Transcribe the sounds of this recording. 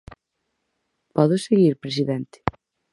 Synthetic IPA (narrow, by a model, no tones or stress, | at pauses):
pɔðʊseɣiɾpɾes̬iðɛnt̪ɪ̥